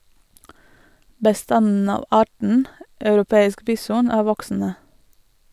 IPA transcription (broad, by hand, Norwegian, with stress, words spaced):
bəˈstɑnn̩ ˈɑːʋ ˈɑːʈɳ̩ ɑʉɾʊˈpeːɪsk ˈbiːsʊn ˈæː ˈʋɔksn̩ə